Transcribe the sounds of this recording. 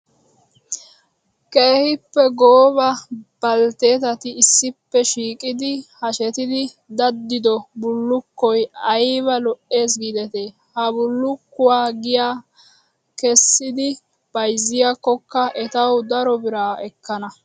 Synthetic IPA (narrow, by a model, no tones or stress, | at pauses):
keːhɪpːɛɡoːbɐb̥ɐlt̪e̞ːt̪̬ɐt̪ɪːsːɪpːɛʃiːkʼɪd̪ɪhɐʃɛt̪ɪd̪ɪ | d̪ɐd̪ːɪd̪ɔbʊlːʊkːɔjɐjβɐlɔʔe̞ːs̬ɡid̪ɛt̪eː | hɐbʊlːʊkːʊwaːɡɪjaː | kɛsːɪd̪ɪ | b̥ɐjzːɪjakːɔkːɐʔɛt̪ɐwd̪ɐɾɔbɪɾaːɛkːɐnɐ